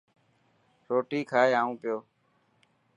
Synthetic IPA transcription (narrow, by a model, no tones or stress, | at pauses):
ɾoːʈiːkʰaːɦeːaːũːpɪjoː